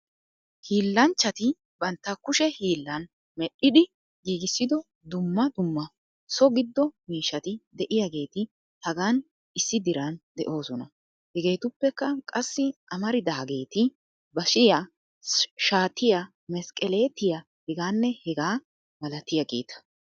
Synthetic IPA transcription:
hiːlːɐnt͡ʃːɐt̪ɪ | bɐnt̪ːɐkʊʃɛhiːlːɐn | mɛɗːɪd̪ɪ | ɡiːɡɪsːɪd̪ɔ | d̪ʊmːɐd̪ʊmːɐ | sɔɡɪd̪ːɔmiːʃːɐt̪ɪd̪ɛʔɪjaɡe̞ːt̪ɪ | hɐɡaːn | ɪsːɪd̪ɪɾɐnd̪ɛ̰ʔo̞ːsɔnɐ | hɛɡe̞ːt̪ʊpːɛkːɐkʼɐsːɪʔɐmɐɾɪd̪aːɡe̞ːt̪ɪ | bɐʃɪja | ʃaːt̪ɪja | mɛskʼɛle̞ːt̪ɪja | hɛɡaːnːɛhɛɡaː | mɐlɐt̪ɪjɐɡḛːt̪ɐ̥

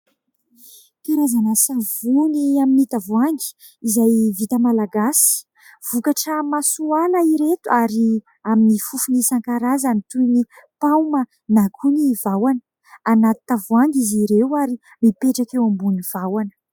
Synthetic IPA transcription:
kaɾazanasavuniaminit̪avuaŋɡi̥ | izajvit̪əmalaɡasi̥ | v̥ukaʈ͡ʂəmasuanəiɾet̪uaɾi | aminifufunisaŋkaɾazanit̪uni | pawmə | nakʰunivawanə̥ | anat̪i̥t̪avwaŋɡiziɾewaɾi | mipeʈ͡ʂakewambuniv̥awanə̥

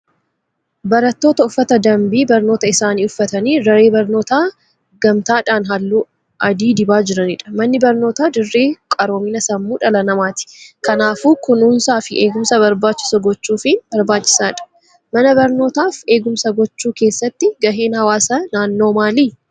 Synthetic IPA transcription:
bɐɾɐt̪ːo̞ːt̪ɐʊfːɐt̪ɐd̪ɐmbiːbɐɾno̞ːt̪ɐɪsaːniːʊfːɐt̪ɐniːɾɐɾe̞ːbɐɾno̞ːt̪aː | ɡɐmt̪aːᶑaːnɦɐlːuː | ʔɐd̪iːd̪ɪbaːd͡ʒɪɾɐnɪᶑɐ̥mɐnːɪbɐɾno̞ːt̪aːd̪ɪrːe̞ːkʼɐɾo̞ːminɐsɐmːuːᶑɐlɐnɐmaːt̪ɪ̥kɐnaːfuːkʊnuːnsaːfɪʔeːɡʊmsɐbɐɾbaːt͡ʃːɪ̥sɐɡɔt͡ʃːuːfɪnbɐɾbaːt͡ʃːɪ̥saːᶑɐ̥ | mɐnɐbɐɾno̞ːt̪aːfeːɡʊmsɐɡɔt͡ʃːuːkeːsːɐt̪ːɪɡɐɦe̞ːnhɐwaːsɐnaːnːo̞ːmaːliː

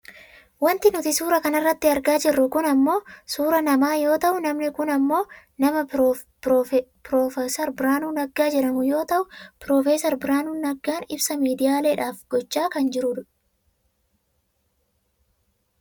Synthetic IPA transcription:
wɐnt̪ɪnʊt̪ɪsuːɾɐkɐnɐrːɐt̪ːɪɐɾɡaːd͡ʒɪrːʊkʊnɐmːo̞ːsuːɾɐnɐmaːjo̞ːt̪ɐʔʊnɐmnɪkʊnɐmːo̞ː | nɐmɐ | pɾoːfsɐɾbɪɾaːnuːnɐɡːaːd͡ʒɛɾɐmʊjo̞ːt̪ɐʔʊpɾoːfeːsɐɾbɪɾaːnuːnːɐɡːaːnɪbsɐmiːd̪ɪjaːleːᶑaːfɡ̥ɔt͡ʃːaːkɐnd͡ʒɪɾʊᶑʊ

